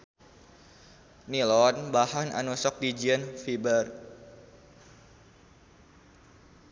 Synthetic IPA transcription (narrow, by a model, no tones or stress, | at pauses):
nilɔnbahana̰nusɔk̚did͡ʒiənfibər